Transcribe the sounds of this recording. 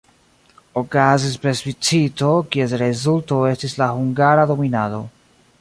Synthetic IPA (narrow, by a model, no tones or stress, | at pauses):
o̞kazis̬pɾesvit͡sito̞kie̞s̬ɾe̞zulto̞e̞stislahuŋɡaɾado̞minado̞̰